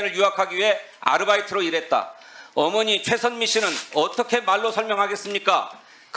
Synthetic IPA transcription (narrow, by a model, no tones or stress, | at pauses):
nɯɭjuɦakʰaɡiɥiɦe̞ | a̰ɾɯbaitʰɯɾoiɾe̞t̚t͈a̰ | ʌmʌɲit͡ɕʰwe̞sʰʌnmiɕ͈inɯnʌt͈ʌkʰe̞maɭːosʰʌɭmjʌŋɦaɡe̞s͈ɯmɲik͈a | k